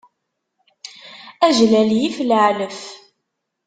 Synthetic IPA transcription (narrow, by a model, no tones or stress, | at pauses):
æʒlæljifləʕləf